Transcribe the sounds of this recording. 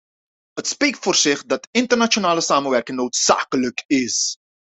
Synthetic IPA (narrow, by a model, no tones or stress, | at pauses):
ɦətspek̚tfoːrzɪχdɑtɪntərnat͡ʃonaːləsaːmənʋɛrkɪŋnowtsa̰ːkələkɪs